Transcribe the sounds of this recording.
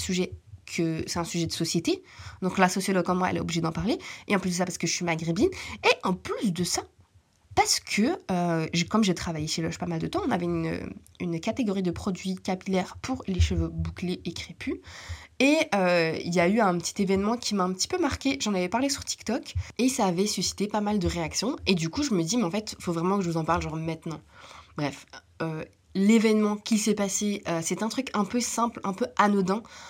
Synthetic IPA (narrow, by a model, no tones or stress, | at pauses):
syʒɛkʰəsɛt̪ɛ̃syʒɛd̪əsɔsjet̪ed̪ɔ̃klasɔsjɔlɔɡ̚kɔmːwaɛ̰lɛo̰bliʒed̪ɑ̃paʁleeɑ̃plys̬d̪əsapaʁsə̥kəʒəsɥimaɡʁebineʔɑ̃plysd̪əsa | paʁsə̥kʰəøʒkɔmʒet̪χavajeʃelɔʒpamald̪ət̪ɑ̃ɔ̃navɛynø̰ | ynkat̪eɡɔʁid̪əpχɔd̪ɥikapilɛʁpʰuʁleʃəvøbukleʔekχepʰyeøḭljayɛ̃pət̪ʰi̥t̪evɛnmɑ̃kʲʰimaɛ̃pət̪i̥pømaʁkʲeʒɑ̃navɛpaʁlesyʁt̪i̥kt̪ɔkesaːvɛsysi̥t̪epamald̪əʁeaksjɔ̃ed̪ykuʒəməd̪imɛɑ̃fɛt̪fovʁɛmɑ̃kəʒəvuzɑ̃paʁlʒɑ̃ʁmɛ̃t̪nɑ̃bʁɛf | ø | levɛnmɑ̃kʲilsɛpaseøsɛt̪ɛ̃t̪χykɛ̃pøsɛ̃plɛ̃pøanɔd̪ɑ̃